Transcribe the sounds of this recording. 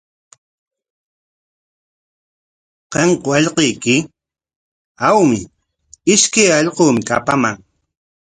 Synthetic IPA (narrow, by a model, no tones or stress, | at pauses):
qeɴqowɑʎqejkɪ | awmɪ | ɪʃkajɑʎqoːmɪka̰pamaŋ